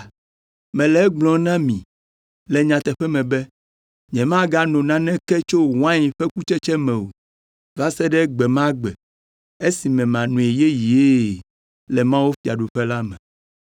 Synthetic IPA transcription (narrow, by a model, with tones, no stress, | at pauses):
mɛ̃˨lɛ˨ɛ˦ɡ͡blɔ̃˨˦nã˦mĩ˨ | lɛ˨ɲã˨t̪ɛ˨ɸɛ˦mɛ̃˨bɛ˦ | ɲɛ̃˨mã˦ɡa˦nɔ̃˨nã˦nɛ̃˦kɛ˦t͡ʃo˦˨wã˦ɲi˨ɸɛ˦ku˦t͡ʃɛ˦t͡ʃɛ˦mɛ̃˨o˨ | va˦sɛ˦ɖɛ˦ɡ͡bɛ˨mã˦ɡ͡bɛ˨ | e˦si˨mɛ̃˨mã˨nũ˨e˨je˦ji˨e˦˨ | lɛ˨mã˦wo˦fi˨a˨ɖo˨ɸɛ˦la˦mɛ̃˨